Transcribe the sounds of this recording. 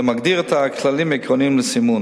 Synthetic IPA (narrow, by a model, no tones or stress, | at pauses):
maɡd̪iʁet̪akʰlalimikʁonimlesimun